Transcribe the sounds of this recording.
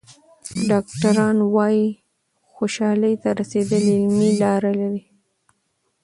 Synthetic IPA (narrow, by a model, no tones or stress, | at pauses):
ɖɑk̚ʈaɾɑnwɑji | xoʃɑləjt̪aɾased̪əlɪlmilɑɾalaɾi